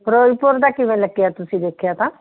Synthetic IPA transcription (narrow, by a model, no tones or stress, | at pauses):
pɾoːipʊɾd̪aːkɪʋẽːləkːɪjaːt̪ʊsĩːd̪eːkʰejat̪ãː